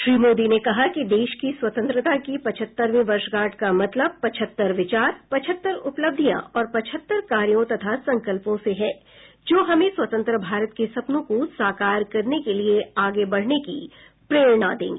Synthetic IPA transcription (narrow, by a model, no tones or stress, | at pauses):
ʃɾiːmoːd̪inekɐɦakid̪eːʃkiswɐt̪ə̃nt̪ɾət̪akipɐt͡ʃʰət̪ːəɾmẽʋɐɾʃɡaːʈkamɐt̪ləb̚pɐt͡ʃʰət̪ːəɾʋɪt͡ʃaːɾpɐt͡ʃʰət̪ːəɾʊpləb̚d̪ʱijã̰ʔɔːɾpɐt͡ʃʰət̪ːəɾkaːɾjõt̪ɐt̪ʰasɐ̃ŋkəlpõseɦɛː | d͡ʒoːɦɐmẽswɐt̪ə̃nt̪ɾəbʱaːɾət̪̚kesɐpnõkosaːkaːɾkɐɾnekelieaːɡebɐɽ̤nekḭ | pɾeːɭnad̪ḛ̃ːŋɡeː